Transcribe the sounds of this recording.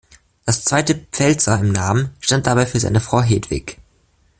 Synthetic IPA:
d̥ast͡sv̥aɪtəpp͡fɛlt͡sɐɪmnaːmənʃtant̚d̥abaɪfyːɐza̰ɪnəfʁ̥aʊɦeːdv̥ɪ̰ç

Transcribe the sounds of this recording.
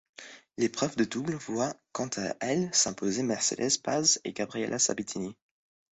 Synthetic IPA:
lepχœvd̪əd̪ublvwakɑ̃t̪ʰaʔɛlsɛ̃pozemɛʁsḛd̪ɛzpazḛɡabʁiɛ̰lʔasa̰bit̪ʰini

